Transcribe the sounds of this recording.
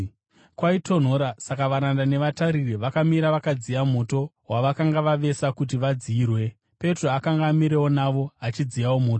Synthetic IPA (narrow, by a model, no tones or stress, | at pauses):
kwaitʰo̞n̤o̞ːɾasakaʋaɾandane̞ʋataɾiriʋakamiɾaʋakad͡zijam̤o̞to̞ɦwaʋakaŋɡaʋaʋe̞sakut̬iʋad͡ziiːrwe̞ | pe̞tro̞akaŋɡaːmiɾe̞wo̞naʋo̞at͡ʃid͡zijawo̞mo̞ːto